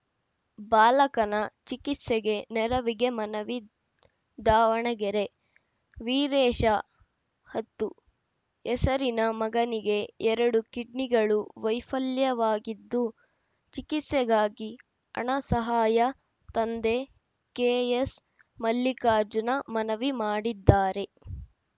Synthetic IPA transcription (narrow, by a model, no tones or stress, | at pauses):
baːlɐkɐnɐt͡ʃikit̪sɛɡe̞nɛɾɐʋiɡe̞mɐnɐʋi | d̪aːʋɐɳɐɡɛɾe̞ | ʋiːɾɛːʃɐ | hɐt̪ːu | ɛsɐɾinɐmɐɡɐniɡe̞ɛɾɐɽukiɖniɡɐɭuʋɐjfɐljɐʋaːɡid̪ːu | t͡ʃikit̪sɛɡaːɡi | ɐ̰ɳɐsɐɦaːjɐ | t̪ɐnd̪e | keːjes | mɐlːikaːɾd͡ʒunɐmɐnɐʋimaːɽid̪ːaːɾe̞